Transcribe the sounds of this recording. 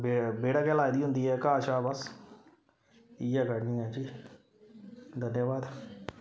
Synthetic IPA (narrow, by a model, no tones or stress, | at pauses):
bebeːɽakɛlaːd̪iːɦʊ̃nd̪iːɦɛːkaːʃaːbəs | ijɛːɡəɽnĩːɛːd͡ʒiː | d̪ʱənjəʋaːd̪